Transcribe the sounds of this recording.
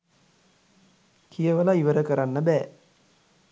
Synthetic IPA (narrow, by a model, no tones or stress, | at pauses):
kʰijəʋəlaiʋəɾəkəɾanːəbæː